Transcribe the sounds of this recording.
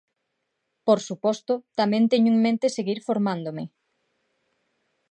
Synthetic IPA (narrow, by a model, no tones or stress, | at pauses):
poɾsupɔst̪ʊt̪amɛ̃nt̪ɛɲʊeŋmẽnt̪eseɣiɾfoɾmand̪omɪ